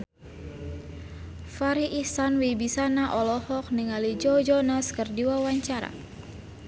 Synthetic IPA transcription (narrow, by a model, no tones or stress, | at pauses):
faɾiʔisanwibisanaʔɔlɔhɔk̚niŋalid͡ʒɔd͡ʒɔnaskərdiwawaɲt͡ʃaɾa̰